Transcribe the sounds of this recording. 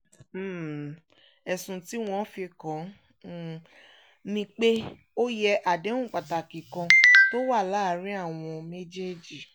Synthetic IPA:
m̩˦˨ | ɛ˨sũ˨ti˦w̃ɔ̃˧˦fi˧kã˨˦˨ | nĩ˧k͡pe˦ | o˦jɛ˧ʔa˨dẽ˨˦ũ˦˨k͡pa˨ta˨ki˨kã˧to˦wa˦˨la˦˨˦ɾĩ˦a˦˨w̃ɔ̃˧me˦d͡ʒe˦d͡ʒi˨

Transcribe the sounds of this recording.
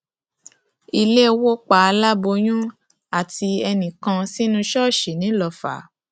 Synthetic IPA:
i˧le˦˧wo˦k͡pa˦a˧la˦bo˧j̃ũ˦ | a˦˨ti˧ɛ˧nĩ˨kã˧si˦nũ˦ʃɔ˦˨ʃe˨nĩ˨˦lɔ˧˨fa̰˨˦

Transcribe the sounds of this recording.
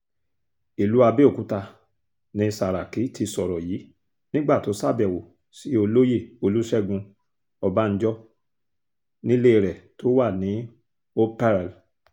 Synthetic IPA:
i˨lu˨˦a˧be˦o˦˨ku˨˦ta˧ | nĩ˧sa˨ɾa˨ki˨˦ti˧sɔ˨ɾɔ˨ji˨˦ | nĩ˦ɡ͡ba˦˨to˨˦sa˦˨bɛ˨wo˨ | si˨˦o˧lo˦je˦˨o˧lu˦ʃɛ˦ɡũ˧ | ɔ˧ba˦n̩˦d͡ʒɔ˦ | nĩ˦le˦i˧ɾɛ˨to˨˦wa˦˨nĩ˨˦ | o˦pɛ˦ɾl

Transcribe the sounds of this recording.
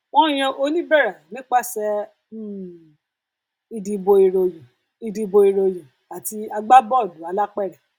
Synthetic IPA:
wɔ̃˦j̃ɛ̃˧ʔo˧nĩ˦bɛ˦˨ɾa˨nĩ˨˦k͡pa˦˨sɛ˧˦˨ | i˧di˧bo˧i˧ɾo˧jũ˨ | i˧di˧bo˧i˧ɾo˧jũ˨ | a˨ti˧a˧ɡ͡ba˦bɔ˦˨du˨˦a˧la˦k͡pɛ˦˨ɾɛ˨

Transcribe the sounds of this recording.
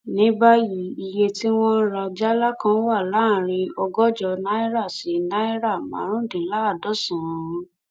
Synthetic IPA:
nĩ˨˦ba˦ji˨˦i˧je˧ti˦w̃ɔ̃˦ɾa˧d͡ʒa˦la˦kã˧˦wa˦˨la˨˦˨ɾ̃ĩ˧ɔ˧ɡɔ˦d͡ʒɔ˧na˦i˦ɾa˦˨si˨˦na˦i˦ɾa˦˨mã̰˨˦ɾ̃ũ˦dĩ˨˦la˦˨dɔ˦˨sã˨˧˦

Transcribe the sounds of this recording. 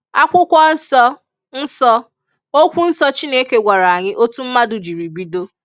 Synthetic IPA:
a˦kʷʊ˦kʷɔ˦n̩˦sɔ˦ | n̩˦sɔ˦ | o˦kʷu˦n̩˦sɔ˦t͡ʃi˦ne˦ke˦ɡʷa˨ɾa˨a˨ɲɪ˦ʔo˦tu˦m̩˦ma˦dʊ˨d͡ʒi˨ɾi˨ɡ͡bi˦do˦

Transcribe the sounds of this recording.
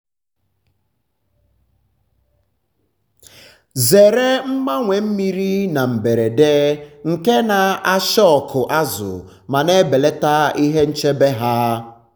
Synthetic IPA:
ze˨ɾe˦m̩˦ma˦ŋʷe˨m̩˦mi˦ɾi˦na˨m̩˨be˨ɾe˨de˦ŋ̩˨ke˦na˨a˦ʃɔ˦ɔ˨kʰʊ˨ʔa˦zʊ̰˨ | ma˨ne˦be˨le˦ta˦i˦ɦe˦n̩˦t͡ʃe˦be˦ɦa˦

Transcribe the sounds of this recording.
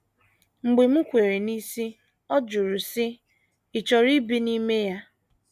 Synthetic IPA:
ŋ͡m̩˨ɡ͡be˨m̩˦kʷe˨ɾe˨ni˦si˦ | ɔ˦d͡ʒu˨ɾu˨sɪ˦ | ɪ˨t͡ʃɔ˨ɾi˦bi˦ni˦me˦ja˦

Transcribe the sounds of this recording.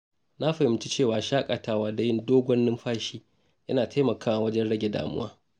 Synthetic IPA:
na˦ɸɐ˨jɪ˨m˦t͡ʃi˦t͡ʃeː˦˨waː˨ʃaː˦kʼa˨taː˨waː˦da˨jɪ˦ndoː˦ɡʷɔ˦nːɪ˦mɸaː˦ʃiː˦ | ʔɐ̰˦naː˨tʰa˦jmɐ˨kaː˦wa˨wɐ˦d͡ʒɛ˦nɽɐ˦ɡʲe˨da̰ː˨mʊ̰˦wa̰ː˦

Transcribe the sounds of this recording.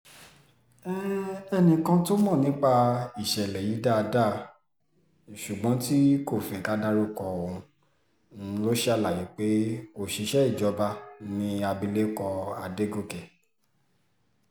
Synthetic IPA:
ɛ˦ɛ˧˨nĩ˧kã˧to˦mɔ̃˦˨nĩ˨˦k͡pa˧i˨ʃɛ˨lɛ˨ji˨˦da˦a˧da˦˨ | ʃu˨ɡ͡bɔ̃˨˦ti˦ko˦˨fɛ˨ka˦da˦ɾo˦kɔ̃˧˨˧u˧˦ | lo˦ʃe˦a˧˨la˨ji˨˦k͡pe˦o˦˨ʃe˧ʃɛ˦i˦˨d͡ʒɔ˨˦ba˧˦nĩ˧a˧bi˧le˦kɔ˧a̰˨de˦ɡo˦˨kɛ˨

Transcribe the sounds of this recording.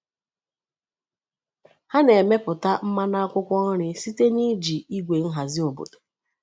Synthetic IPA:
ha˦ne˨me˦pʊ˨ta˦m̩˦ma˦na˦a˦kʷʊ˦kʷɔ˦n̩˦ɾɪ˨si˦te˦ni˦d͡ʒi˨i˦ɡʷe˨n̩˦ɦa˨zɪ˦o˨bo̰˨do̥˨

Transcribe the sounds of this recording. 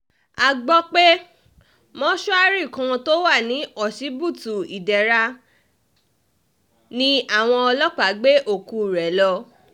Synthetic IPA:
a˨ɡ͡bɔ˧k͡pe˦ | mɔ̃˦ʃu˦a˧ɾi˦˨kã˧to˦wa˦˨nĩ˨˦ɔ˦˨ʃi˨˦bu˦˨tu˨i˨dɛ˨ɾa˧ | nĩ˦a˦˨w̃ɔ̃˧ɔ˧lɔ˦k͡pa˨˦ɡ͡be˦ʔo˦˨ku˧˨ɾɛ˨˦lɔ˧

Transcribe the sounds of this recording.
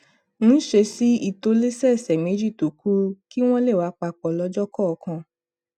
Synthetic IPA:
mũ˨˦ʃe˧si˨˦i˦˨to˧le˦sɛ˦˨sɛ˨me˨˦d͡ʒi˦˨to˨ku˦ki˦w̃ɔ̃˦le˦˨wa˨˦k͡pa˧k͡pɔ˨lɔ˧d͡ʒɔ˦kɔ˦˧kã˧

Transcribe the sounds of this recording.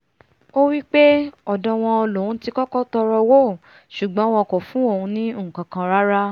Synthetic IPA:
o˦wi˦k͡pe˦ɔ˨dɔ̃˧w̃ɔ̃˧ɔ˧lõ˨ũ˨˦ti˧kɔ˦kɔ˦tɔ˧ɾɔ˧wo˦˨ | ʃu˨ɡ͡bɔ̃˨˦w̃ɔ̃˧kɔ˨fũ˨˦o˦˨ũ˧nĩ˦ũ˦˨kã˨kã˧ɾa˦ɾa˦

